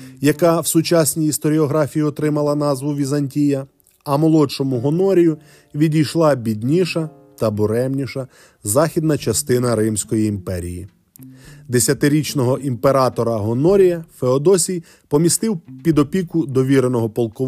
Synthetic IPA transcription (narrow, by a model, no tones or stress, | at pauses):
jɐkɑwsʊt͡ʃasʲnʲijist̪ɔɾʲiɔɦɾɑfʲijiɔt̪ɾɪmɐlˠɐnɑzʋʊʋʲizɐnʲtʲijɐ | ɐmɔlˠɔt͡ʃɔmʊɦɔnɔɾʲijʊ | ʋʲidʲijʃlˠɑbʲidʲnʲiʃɐ | t̪ɐbʊɾɛmnʲiʃɐ | zɑxʲid̪nɐt͡ʃɐst̪ɪnɐɾɪmsʲkɔjiːmpɛɾʲḭjḭ | d̪esʲjɐt̪ɪɾʲit͡ʃnɔɦɔʔimpeɾɑt̪ɔɾɐɦɔnɔɾʲijɐfeɔd̪ɔsʲij | pɔmʲist̪ɪwpʲid̪ɔpʲikʊd̪ɔʋʲiɾenɔɦɔpɔlˠkɔ